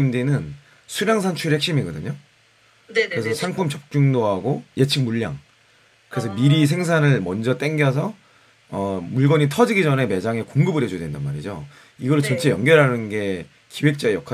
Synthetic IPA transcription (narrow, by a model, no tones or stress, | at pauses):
imdinɯn | sʰuɾjaŋsʰant͡ɕʰuɭɦek̚ɕ͈imiɡʌdɯ̰ɲo | kkɯɾesʰʌsʰaŋpʰumt͡ɕʌp̚t͡ɕ͈uŋdoɦaɡoje̞t͡ɕʰik̚muɭːa̰ŋ | kɯɾe̞sʰʌmiɾisʰe̞ŋsʰanɯɭmʌnd͡ʑʌt͈e̞ŋɡjʌsʰʌ | ʌmuɭɡʌɲitʰʌd͡ʑiɡid͡ʑʌne̞me̞d͡ʑaŋe̞koŋɡɯbɯɾjed͡ʑudwe̞ndanma̰ɾḭd͡ʑo̰ | iɡʌɾɯɭt͡ɕʌnt͡ɕʰe̞jʌŋɡjʌɾɦanɯnɡe̞ | kiwe̞k̚t͡ɕ͈aejʌkʰa